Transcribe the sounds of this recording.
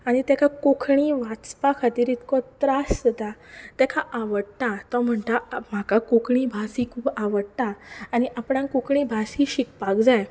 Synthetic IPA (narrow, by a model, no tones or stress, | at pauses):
aɽ̃it̪ɛkʰakokʰɳiʋat͡spakʰat̪iːɾit̪kɔt̪ɾasəd̪at̪ɛkʰaʔaʋəɽt̪at̪ɔm̤əɳt̪am̤akakokɳibʱasikʰuːbaʋəɽt̪aːñiʔapɽãkokʰɳ̃ĩbʱasiɕik̚pakd͡zaj